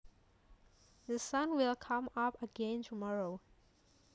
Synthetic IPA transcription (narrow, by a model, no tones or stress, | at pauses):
ðəsãnwilkʰãmapəɡɛ̃ntʰumɔɹo